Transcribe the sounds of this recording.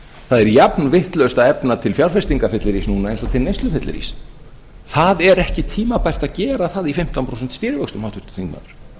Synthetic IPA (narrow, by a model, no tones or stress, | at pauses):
θaðɛɾjapnvɪht̪lœst̪aðɛpnat̪ʰɪlfjawɾ̥fɛst̪iŋkafɪt̪lɪɾisnuːnaejnsɔt̪ʰɪlnejst̪lʏfɪt̪lɪ̰ɾḭs | θaðɛɾɛhcɪt̪ʰiːmapajr̥t̪aðcɛːɾaθaðifɪm̥t̪anpʰɾowsɛnt̪st̪iːɾɪvœkst̪ʏmawt̪ʰʏ̥ɾ̥st̪ʏ̥θiŋkma̰ːðʏɾ̥